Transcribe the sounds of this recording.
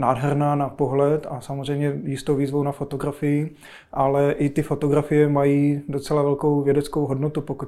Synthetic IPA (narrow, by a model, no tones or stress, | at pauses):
naːdɦɛɾnaːnapoɦlɛt̪asamozr̝ɛjmɲɛjɪst̪owviːzvownafot̪oɡɾafɪjɪ | ʔalɛʔɪt̪ɪfo̞t̪oɡɾafɪjɛmajiːdot͡sɛlavɛlkowvjɛdɛt͡skowɦo̞dnot̪upoku